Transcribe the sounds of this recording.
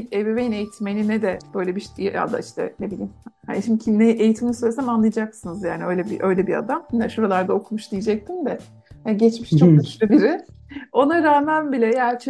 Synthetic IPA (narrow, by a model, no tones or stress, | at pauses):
ebevejinejit̪ʰimenʲinɛd̪ɛb̥ø̞jlʲɛbiʃa̰d̪a̰iʃt̪ʰɛ̰nebilʲiːmhaniʃimd̪cʰinɛʔejit̪ʰiminisøjlʲesamanlˠɯjad͡ʒaksɯnɯzjaːniø̞jlʲɛbiʔø̞jlʲɛbia̰d̪amnɛʃuɾalˠaɾd̪ao̞kʰumuʃd̪ijed͡ʒɛc̚t̪ʰind̪ɛ | haɟɛt͡ʃmiʃt͡ʃok̚d̪ʃlʲɛbiɾɪ | o̞naɾaːmænbilʲɛjaːt͡ʃʰ